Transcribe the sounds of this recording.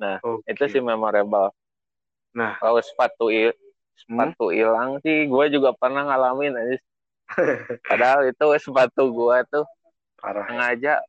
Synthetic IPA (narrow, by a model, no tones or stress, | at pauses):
nahit̪usɪhmemaɾebal | nahkawosə̥pat̪ui | səpat̪uḭlaŋsɪhɡuad͡ʒuɡapərnahŋalamɪnad͡ʒis | padaɦalit̪uwɛsəpat̪uɡuat̪u | aɾaŋad͡ʒaʔ